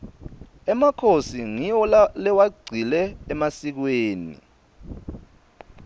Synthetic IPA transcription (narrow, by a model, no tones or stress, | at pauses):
ɛmakʰosiŋiɔlɛwaɡ͡ǀʱilɛːmasik̬weːnḭ